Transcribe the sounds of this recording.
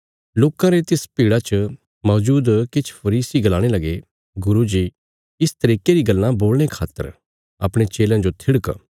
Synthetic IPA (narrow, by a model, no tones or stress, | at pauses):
loːkãɾet̪ɪspiːɽat͡ʃə | mɔːd͡ʒuːd̪kɪt͡ʃʰpʰɐɾiːsiɡɐlaːɽ̃elɐɡe | ɡʊɾud͡ʒi | ɪst̪ɐɾiːkeɾiɡɐlːãboːlɽ̃ekʰa̰ːt̪ːə̰ɾ | ɐpɽ̃et͡ʃeːlãd͡ʒot̪ʰɪɽk